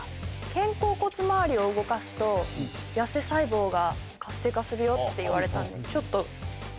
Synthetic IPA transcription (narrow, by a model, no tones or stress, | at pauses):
kẽ̞ŋko̞ːko̞t͡sɨmaβːɾʲio̞ɯ̟ɡo̞kasɨ̥t̪o̞jase̞saibo̞ːɡa | kasːe̞ːkasɨɾɯ̟jo̞t̪ːe̞iβaɾe̞t̪ãnd̪e̞̰t͡ɕo̞t̪ːo̞